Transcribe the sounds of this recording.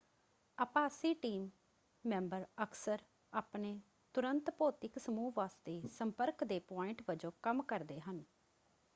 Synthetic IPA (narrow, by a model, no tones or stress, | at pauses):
əːpaːsiːʈiːmː | ɛ̃ːmbəɾəksəɾ | aːpneː | t̪ʊɾənt̪poːt̪ɪksəmuːʋaːst̪eːsəmpəɾkd̪eːpɔːɪɳʈʋəd͡ʒõːkəmkəɾd̪eːɦən